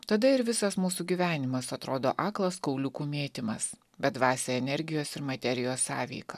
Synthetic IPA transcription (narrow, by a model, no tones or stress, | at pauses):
t̪ɐd̪ɐɪɾʋʲɪsɐsmuːsuːɡʲiːʋʲæːnʲɪmɐsɐt̪ɾoːd̪o̰ːʔɑːklˠɐskɒʊlʲʊkuːmʲeːt̪ʲɪmɐs | bʲɛd̪ʋɑːsʲeɛnʲɛɾʲɡʲɪjoːsɪɾmɐt̪ʲɛɾʲɪjoːsɑːʋʲɛ̰ɪkɐ